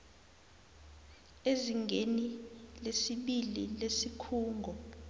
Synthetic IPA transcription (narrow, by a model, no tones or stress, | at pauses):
eziŋɡʱenilesiɓilḭlesikʰuːŋɡʱɔ